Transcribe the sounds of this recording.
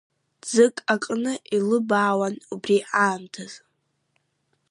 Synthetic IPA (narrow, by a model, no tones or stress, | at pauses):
d͡zɨkʼakʼnɨʔilɨbaːwanubriʔaːmtʰaz̥